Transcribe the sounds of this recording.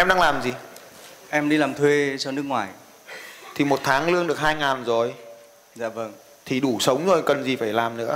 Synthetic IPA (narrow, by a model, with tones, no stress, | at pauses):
ʔɛ˧mɗaː˧ŋlaː˨˩mzi˨˩ | ʔɛ˧mɗi˧laː˨˩mt̪ʰwe˧sa˧wnɨ˦˥ək̚ŋwaː˨˩j | t̪ʰi˨˩mo˨˩t̚t̪ʰaː˨˦ŋlɨ˧əŋɗɨ˨˩ək̚haː˧jŋaː˨˩nzo˨˩j | za̰ː˧˨və˧˩ŋ | t̪ʰi˨˩ɗu˧˩sə˨˦wŋ͡mzo˨˩jkə˨˩nzi˨˩faː˧˩jlaː˨˩mnɨ̰˧˥ə